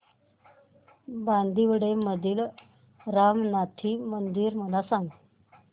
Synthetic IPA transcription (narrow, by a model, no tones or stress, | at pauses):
band̪ʱiʋəɽeməd̪ʱiːl | ɾamnat̪ʰiːmənd̪iːɾməlasãŋɡ